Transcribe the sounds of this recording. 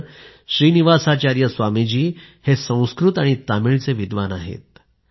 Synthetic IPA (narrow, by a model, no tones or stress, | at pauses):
ɕɾiːniʋasat͡ɕaɾjəsʋamid͡ʑiːhesə̃w̃skɾut̪aɽ̃it̪amiɭt͡seʋid̪ʋanaɦḛt̪̚